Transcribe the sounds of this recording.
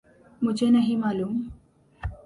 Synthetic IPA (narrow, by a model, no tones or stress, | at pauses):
m̤ud͡ʑenəɦimaluːm